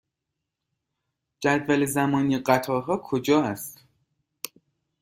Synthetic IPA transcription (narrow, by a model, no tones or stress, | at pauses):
d͡ʒæd̪vælezæmɒːniːɢæt̪ʰɒːɦɒːkʰod͡ʒɒːæst̪